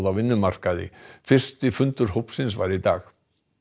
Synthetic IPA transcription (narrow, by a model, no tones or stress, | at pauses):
ðavɪnːʏmar̥kaðɪ̰fɪr̥st̪ɪfʏnt̪ʏɾ̥ɦowpsɪnsva̰jɾit̪aːx